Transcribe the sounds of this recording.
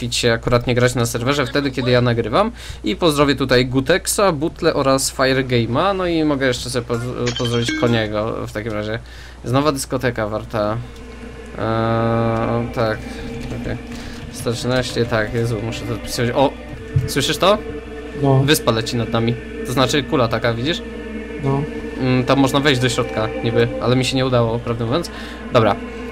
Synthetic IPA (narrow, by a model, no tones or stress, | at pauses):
it͡ɕɕɛakuɾat̪ɲɛɡɾat͡ɕnasɛɾvɛʐɛft̪ɛd̪ɘkʲjɛd̪ɘjanaɡɾɘvam | ipɔzd̪ɾɔvʲjɛt̪ut̪ajɡut̪ɛksabut̪lɛʔɔɾasfajɛɾɡɛjmanɔimɔɡɛjɛʂt͡ʂɛsɔbʲɛpɔpɔzd̪ɾɔvʲit͡ɕkɔɲɛɡɔ̰ft̪akʲimɾaʑɛ | znɔvad̪ɘskɔt̪ɛkavaɾt̪a | t̪akɔkɛst̪anɛɕɛt̪akjɛzumuʂɛt̪ɔzapʲi̥sɨvat͡ɕɔ | swɘʂɘʂt̪ɔ | vɘspalɛt͡ɕinad̪namʲi | t̪ɔznat͡ʂɘkulat̪akavʲid͡ʑiʂ | ɔ | t̪ɔmːɔʐnavɛjd͡ʑd̪ɔɕɾɔt̪kaɲibɘʔa̰lɛmʲiɕɛɲɛud̪awɔpɾavd̪ɛmuvjɔnt̪s | d̪ɔbɾa